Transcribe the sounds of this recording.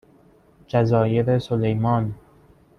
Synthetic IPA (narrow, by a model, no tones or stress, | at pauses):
d͡ʒæzɒːjeɾesolejmɒːn